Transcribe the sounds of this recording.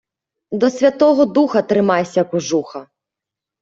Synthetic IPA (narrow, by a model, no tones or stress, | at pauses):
d̪ɔsʲvʲat̪ɔɣɔd̪uxɐt̪ɾɪmajsʲɐkuʐuxɐ